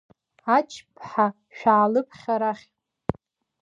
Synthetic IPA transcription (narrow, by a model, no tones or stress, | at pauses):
at͡ʃʰpʰħa | ʃᶣaːlɨpʰχʲaɾaχʲ